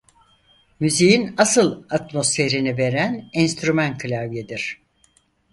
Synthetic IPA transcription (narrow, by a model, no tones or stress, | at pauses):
myzijinasɯlˠat̪mo̞sfe̞ɾinive̞ɾænɛnst̪ɾymænkʰlʲavjed̪iɾ̥